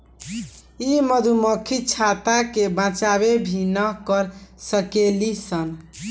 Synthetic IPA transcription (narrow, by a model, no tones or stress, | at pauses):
iməd̪ʱuməkʰit͡ʃʰat̪akebãt͡ʃaβebʱinəɦkəɾsəkelisən